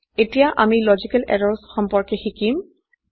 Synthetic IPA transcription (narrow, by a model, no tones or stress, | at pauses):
etijaʔamilɔzikɛlɛ̰ɹɔɹsxɔmpɔɹkexikim